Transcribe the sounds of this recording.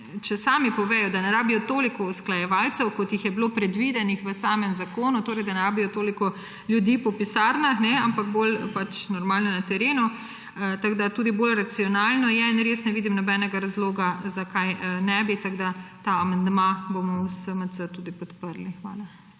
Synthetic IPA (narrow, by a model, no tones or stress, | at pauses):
t͡ʃɛsaːmipɔʋɛːjɔd̪anɛɾaːbijɔt̪oːlikɔusklajɛʋaːlt̪sɛwkɔt̪jixjɛbloːpɾɛd̪ʋid̪ɛnixʋəsaːmɛmzakoːnut̪oːɾɛjd̪anɛɾaːbijɔt̪oːlikɔ | ljud̪iːpɔpisaːɾnaxnɛampaɡbolpat͡ʃnɔɾmaːlnɔnat̪ɛɾeːnu | t̪aɡd̪at̪uːd̪ibolɾat̪siɔnaːlnɔjɛinɾeːsnɛʋiːd̪imnɔbɛnɛɡaɾazloːɡazakajnɛbit̪aɡd̪at̪aːmand̪mabomɔwsəməsət̪uːd̪ipɔt̪pəɾlixʋa̰ːla